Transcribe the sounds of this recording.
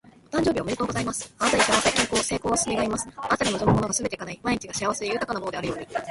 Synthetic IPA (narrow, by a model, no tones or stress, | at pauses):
t̪ãɲ̟d͡ʑo̞ːbiome̞ɾit̪o̞ːɡo̞zaimasɨ̥at̪aɾikamat̪akẽŋko̞ːse̞ːko̞ːβasɨmʲiɡaimasɨ̥at̪aɾenod͡ʑomɯmono̞ɡasɨbe̞t̪e̞ikanaimaiɲ̟it͡ɕiɡaɕiaβaseijɯ̟ːt̪akanamonod̪eaɾɯ̟jo̞ːɲ̟i